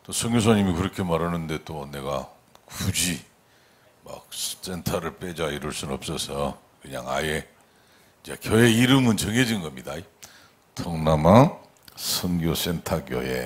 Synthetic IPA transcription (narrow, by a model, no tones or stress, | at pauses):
t͈osʰʌŋɡjos̬ʰaɲimikɯɾʌkʰe̞maɾanɯnde̞t͈one̞ɡa̰ | kud͡ʑi | ma̰k̚ss͈entʰaɾɯɭp͈ed͡ʑaiɾʌɭs͈unɯnʌp̚s͈ʌsʰʌ | kɯɲa̰ŋa̰je̞ | d͡ʑekjʌe̞iɾɯmɯnt͡ɕʌŋɦed͡ʑinɡʌmɲida | tʰʌŋnama | sʰʌŋɡjos͈e̞ntʰakjo̰jḛ